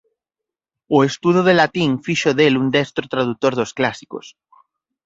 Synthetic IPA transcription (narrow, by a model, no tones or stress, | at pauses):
oest̪uð̞oð̞elat̪iŋfiʃoðelund̪est̪ɾot̪ɾaðut̪oɾðosklasiko̰s